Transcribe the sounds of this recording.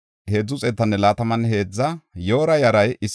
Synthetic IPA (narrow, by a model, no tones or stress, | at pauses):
heːd͡zːʊt͡sʼɛt̪ːɐnːɛlaːt̪ɐmɐnhe̞ːd͡zːɐjo̞ːɾɐjɐɾɐjɪs